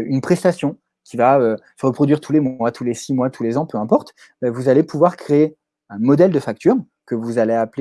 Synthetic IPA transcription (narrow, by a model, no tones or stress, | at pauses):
ynpχɛst̪asjɔ̃ | kʲivaø | ʁəpχɔd̪ɥiʁt̪ʰulemwat̪ʰulesimwat̪ʰulezɑ̃pøɛ̃pɔʁt̪ | vuzalepʰuvwaʁkχeː | ɛ̃mɔd̪ɛld̪əfak̚t̪ʰyʁ | kəvuzaleaple